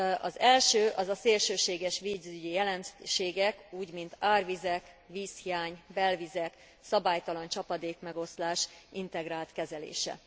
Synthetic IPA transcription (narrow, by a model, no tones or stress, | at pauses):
ɒzɛlʃøːʔɒzɒseːlʃøːʃeːɡɛʃʋiːzyɟijɛlɛnʃeːɡɛkuːɟmint̪aːrvizɛk | ʋiːshijaːɲbɛlvizɛk | sɒbaːjt̪ɒlɒnt͡ʃɒpɒd̪eːkmɛɡo̞slaːʃʔint̪ɛɡraːlt̪kɛzɛlḛːʃɛ̰